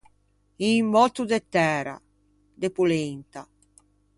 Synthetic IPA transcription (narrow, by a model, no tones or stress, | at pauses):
imːɔt̪ːud̪ɛt̪ːɛːɾa̰ | d̪ɛpulɛnt̪a